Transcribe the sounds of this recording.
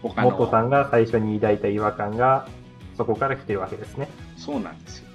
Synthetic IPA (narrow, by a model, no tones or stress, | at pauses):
mo̞t̪ːo̞sãŋɡasaiɕo̞ɲ̟iːd̪ait̪aiβakãŋɡa | so̞ko̞kaɾakʲi̥t̪eɾɯ̟βake̞d̪e̞sɨne̞soːnã̰nd̪es